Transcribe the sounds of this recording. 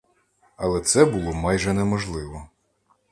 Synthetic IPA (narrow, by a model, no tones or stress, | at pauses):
ɐlˠɛt̪sɛbulˠɔmɑjʒɛnɛmɔʒlˠɪʋɔ